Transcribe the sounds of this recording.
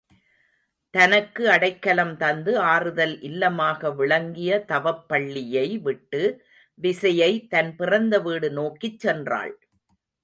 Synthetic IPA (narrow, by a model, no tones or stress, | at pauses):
t̪ɐnɐkːɯɐɽɐɪkːɐlɐmt̪ɐnd̪ɯaːrɯðɐlʔɪlːɐmaːɣɐʋɪɭɐŋɡɪjɐt̪ɐʋɐpːɐɭːɪjɐɪʋɪʈːɯ | ʋɪsɐjɐɪt̪ɐnpɪrɐnd̪ɐʋiːɽɯnoːkɪt͡ʃːɛndra̰ːɭ